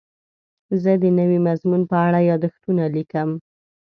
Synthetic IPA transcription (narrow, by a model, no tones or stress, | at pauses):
zəd̪ənəwimazmunpəaɽajɑd̪əxt̪unalikəm